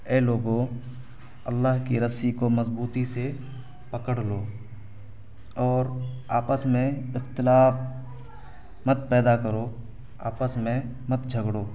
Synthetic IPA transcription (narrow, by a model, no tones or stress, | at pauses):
ɛːloːɡõ | ɐlːaːɦkiɾəsikomɐzbuːt̪ise | pɐkəɽloː | ɔːɾaːpəsmẽɪxt̪ɪlaːf | mət̪̚pɛːd̪akəɾoː | a̰ːpəsmẽmət̪d͡ʒʱəɡɽoː